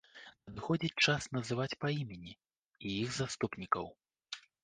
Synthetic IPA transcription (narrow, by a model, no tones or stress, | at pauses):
nɐd̪ɨxɔd͡zʲit͡sʲt͡ʂasnɐzɨvat͡sʲpɐimʲanʲi | ijiɣzast̪upnʲikɐw